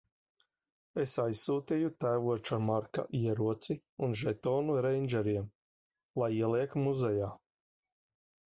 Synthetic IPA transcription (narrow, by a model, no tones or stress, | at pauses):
esajsːuːt̪ijut̪æjvuɔt͡ʃamaɾka̰ʔiɛɾuɔt̪si | unʒɛt̪ɔːnuɾɛjnʲd͡ʒɛɾiɛm | lˠajiɛlˠiɛkmuzɛjaː